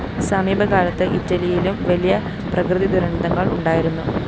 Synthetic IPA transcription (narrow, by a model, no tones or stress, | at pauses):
sɐmiːbʱɐkaːɭɐt̪ːɨʔitːɐlijilumʋɐlijɐ | prɐkrɨðid̪uɾɐɳɐd̪ɐŋːɐɭuɳɖaːjiɾunːu